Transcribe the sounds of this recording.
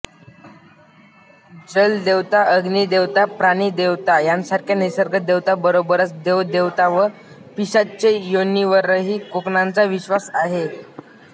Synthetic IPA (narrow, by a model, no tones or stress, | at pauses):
d͡zəld̪eʋt̪aʔəɡnid̪eʋt̪apɾaɽ̃id̪eʋt̪ajansaɾkʰjanesəɾɡəd̪eʋt̪abəɾobəɾət͡sd̪ed̪eʋt̪aʋə | piɕatt͡ɕejonːiʋəɾːəɦiːkoknant͡saʋiɕʋasaɦe